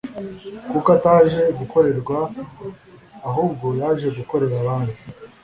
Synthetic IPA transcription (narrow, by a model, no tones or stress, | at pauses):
kukataːʒe̞ɡuko̞ɾe̞ɾɡwa | ɦuːb̚ɡo̞jaːʒe̞ɡuko̞ɾe̞ɾaβaːndi